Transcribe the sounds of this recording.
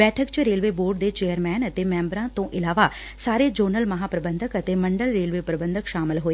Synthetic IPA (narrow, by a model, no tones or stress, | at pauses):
bɛːʈʰəkt͡ʃɾeːlʋeːboːɖd̪eːt͡ʃeːjəɾmɛːnət̪eːmɛ̃ːmbɾãːt̪õːʔɪlaːʋaː | saːɾeːd͡ʒəːnəlməɦaːpɾəbənd̪əkət̪eːməɳɖəlɾeːlʋeːpɾəbə̃nd̪əkʃaːmɪlɦoːe